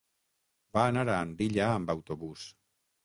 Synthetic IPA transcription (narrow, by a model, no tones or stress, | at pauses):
baːnaɾaːnd̪iʎaːmbawt̪oβus